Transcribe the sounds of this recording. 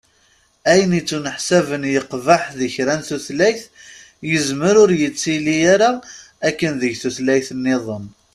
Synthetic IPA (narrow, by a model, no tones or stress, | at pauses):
æjənit͡sːunəħsævənjəqvaħðəçɾænθuθlæjθ | jəzməɾʊɾjət͡sːilijaɾa | ækːənðəʝθuθlæjθənːɪðˤən